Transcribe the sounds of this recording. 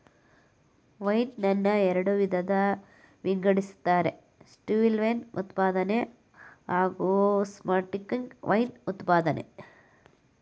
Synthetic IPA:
ʋɐjnːɐnːɐɛɾɐɽuʋid̪ʱɐd̪ɐ | ʋiŋɡɐɽisu̥t̪ːaːɾe̞̰ | sʈuːʋilʋɐjnṵt̪paːd̪ɐne | ɦaːɡusmaːʈikːiŋɡʋʔɐjnut̪paːd̪ɐnḛ

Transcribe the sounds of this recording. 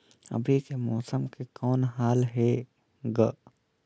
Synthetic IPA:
ɐ̰bʱikemɔːsəmkekɔːnɦaːlɦe | ɡə

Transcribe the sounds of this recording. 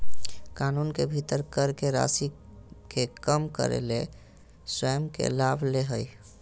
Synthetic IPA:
kanunkebʱit̪əɾkəɾkeɾa̰sikekəmkə̰ɾḛle | swəjmkḛlabʱleɦəj

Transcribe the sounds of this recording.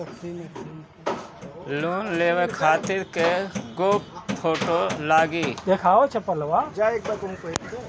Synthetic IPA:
ɐksiːn | loːnleːwəkʰaːt̪ɪɾkeɡoːppʰːoːʈolaːɡiːd̪ekʰaːʋet͡ʃʰepələʋad͡ʒaek̚bɐkoũkoekʰe

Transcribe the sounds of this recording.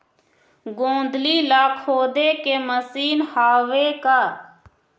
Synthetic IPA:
ɡõːnd̪liːlaːkʰhoːd̪eːkeːməsiːnhaːʋeːkaː

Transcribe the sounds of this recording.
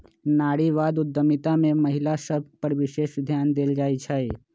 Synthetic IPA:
naːɽiʋaːd̪ʊd̪ːəmɪt̪amẽmɐɦɪlasəb̚pəɾʋɪʃeːʃd̪ʱjaːnd̪eːld͡ʒaːit͡ʃʰae

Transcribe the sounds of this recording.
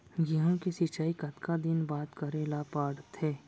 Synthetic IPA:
ɡiɦõkisit͡ʃaːikɐt̪kʰad̪ɪnbaːt̪kɐɾeːlapaːɽt̪ʰeː

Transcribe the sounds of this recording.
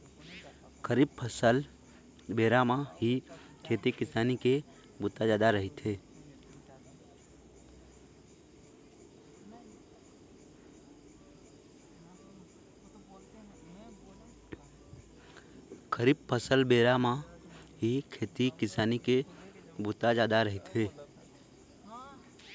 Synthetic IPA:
kəɾib̚pʰəsəl | beɾamaɦi | kʰeːt̪ikɪsaːnike | bʊt̪ad͡ʒaːd̪aɾəɦit̪ɦe | kʰəɾiːb̚pʰəsəlbeːɾamãɦikʰeːt̪ikɪsaːnikebʊt̪ad͡ʒaːd̪aɾəɦɪt̪ɦeː

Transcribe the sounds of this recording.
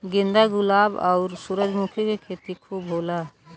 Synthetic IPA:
ɡĩnd̪aɡʊlabɔ̰ʊɾsuɾəd͡ʒmukʰikekʰet̪ikʰubɦola

